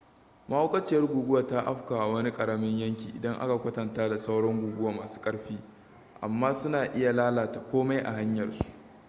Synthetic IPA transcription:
mɐ˦ho˦kʼɐ˦t͡ʃɪ˦jɐ˦rɡʷuː˨ɡʷʊ˦wa˨ta˦ʔa˦ɸka˨ʔa˨wɐ˦ni˦kʼɐ˨ɽa˦mɪ˦ɲjɐ˦ŋkʲiː˨ʔɪ̰˨dɐ˦ŋʔa̰˦ka˨kʷɐ˦tɐ˨ntaː˦da˨sa˦wɽɔ˦ŋɡʷuː˨ɡʊ˦waː˨maː˨su̥ː˦kʼɐ˦ɽɸiː˦ | ʔa̰˨mːaː˦sʊ˦naː˨ʔɪ˦ja˨laː˦laː˨ta˨kʷoː˦ma˦jʔa̰˨ɦa˦ɲjɐ˨rsu̥˦˨ʔ

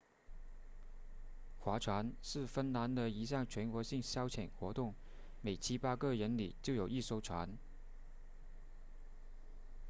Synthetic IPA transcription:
xwa˧˥ʈ͡ʂʰwa˧˥nʂɻ̩˥˩fə˥nna˧˥nd̪ə˨i˧˥ɕ̬jɑ˥˩ŋt͡ɕʰɥɛ˧˥nkwɔ˧˥ɕi˥˩ŋɕjɑ˥ʊt͡ɕʰjɛ˨˩nxwɔ˧˥t̪ʊ˥˩ŋ | me˨˩ɪt͡ɕʰi˥pa˥kɤ˥˩ɻə˧˥nlḭ˨˩t͡ɕjo˥˩ʊjo˨˩ʊi˥˩ʂo˥˩ʊʈ͡ʂʰwa˧˥n

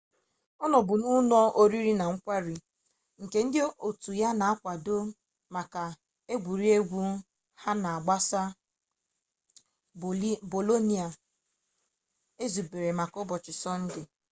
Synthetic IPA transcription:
ɔ˦nɔ˨bʊ˨nʊ˦nɔ˦ʔo˦ɾi˦ɾi˦na˨ŋ̩˦kʷa˦ɾi˨ | ŋ̩˨ke˨˦n̩˦dɪ˦o˨tu˨ja˦na˨a˦kʷa˨do˦ | ma˨ka˨ | e˦ɡʷu˨ɾi˦e˦ɡʷu˦ | ha˦na˨a˨ɡ͡ba˦sa˦ | bo˨lo˦ni˨a˨ | e˦zu˨be˨ɾe˨ma˨kɔ˦bɔ˨t͡ʃɪ˨sɔ˦n̩˦dɪ˦

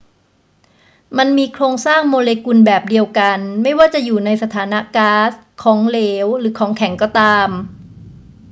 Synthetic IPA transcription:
ma˧nmiː˧kʰɾoː˧ŋsaː˥˩ŋmoː˧leː˧ku˧nbɛː˨˩p̚di˧əwka˧nma˥˩jwaː˥˩t͡ɕa˨˩ʔjuː˨˩na˧jsa˧t̪ʰaː˩˦na˦˥kaː˦˥skʰɔː˩˦ŋleː˦˥wɾɯː˩˦kʰɔː˩˦ŋkʰɛ˨˩˦ŋkɔː˥˩t̪aː˧m

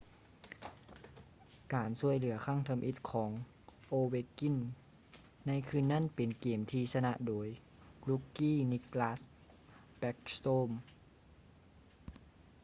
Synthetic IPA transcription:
kaː˨nsu˧əjlɯ˨˩˦ɐkʰa˧˥˩ŋt̪ʰa˧mʔi˧˥t̪̚kʰɔː˩˦ŋ | ʔoː˧we˧ki˧˥˨nː | a˧˥˨jkʰɯ˧˥˨nːa˧˥˨npe˨˩nkeː˨˩mt̪ʰiː˧sa˧na˧ʔdoː˨˦j | blu˧˥kːiː˥˨ni˧˥klaː˧˥s | pɛ˧˥k̚st̪oː˧˥˩m

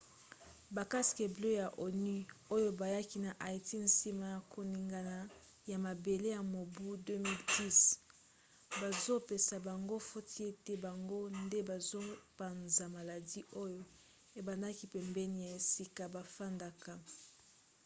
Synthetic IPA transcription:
ba˨ka˦ske˨ble˦ja˨ʔo˨ny˦o˦jo˦ba˨ja˦ki˦na˨ʔa˨e˨ti˦n̩si˦ma˨ja˨kʰo˨ni˨ŋɡa˨na˨ | ja˨ma˨be˨le˦ja˨mo˨bu˦dø˦mi˦ldi˦s | ba˨zo˦pe˨sa˨ba˨ŋɡo˦fo˦tʰi˦e˦te˦ba˨ŋɡo˦nde˦ba˨zo˦pa˨nza˨ma˨la˨di˦ʔo˦jo˦ | e˨ba˨nda˦ki˦pɛ˨mbɛ˦ni˨ja˨e˨si˦ka˨ba˨fa˦nda˦ka˨

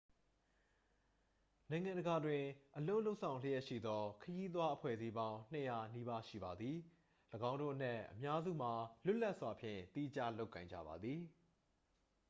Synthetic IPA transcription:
nã˨ɪ̃ŋã˨ndəɡa˨dwɪ̃˨ʔəlo˦ʊlo˦ʊʔsʰã˨ʊ̃l̥ə˦jɛ˦ʔʃḭ˦˨d̪ɔ˦kʰəji˦t̪̬wa˦ʔəpʰwɛ̰˦˨zi˦bã˦ʊ̃n̥ə˨ja˨ni˦ba˦ʃḭ˦˨ba˨d̪ði˨ | ləɡã˦ʊ̃ndo̰˦˨ʔən̥ɛ˦˨ʔːəmja˦zṵ˦˨m̥a˨lʊ˦ʔla˦ʔswa˨pʰjɪ̰̃˦˨t̪i˦˨d͡ʑa̰˦lo˦ʊkːã˨ɪ̃ɲd͡ʑa̰˦˨ba˨d̪ði˨

